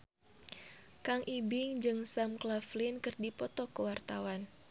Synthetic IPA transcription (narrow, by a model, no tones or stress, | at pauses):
kaŋʔibɪŋd͡ʒɨŋsamklaflinkɨrdipɔt̪ɔkəwart̪awan